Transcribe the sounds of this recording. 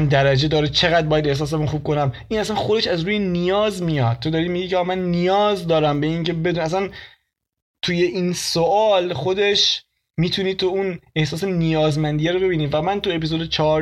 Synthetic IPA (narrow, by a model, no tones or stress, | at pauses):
nd̪æɾæd͡ʒe̞d̪ɒːɾet͡ʃʰe̞ɣæd̪d̚bɒːjæd̪ehs̬ɒːs̬emunxuːb̚ko̞næm | iːnæsænxo̞d̪eʃæzɾuːjenijɒːzmijɒd̪̥̚t̪ʰːo̞d̪ɒːɾiːd̪miɟikʰʲcʰeɒːmænːijɒːzd̪ɒːɾæmbe̞iŋcʰe̞be̞d̪unæs̬æn | t̪ʰuje̞ʔiːnsoʔɒːlxod̪e̞ʃ | miːt̪ʰuniːt̪ʰoune̞hsɒːs̬enijɒːzmænd̪ijæɾobe̞biːniːvæmænt̪ue̞piːzod̪et͡ʃʰɒ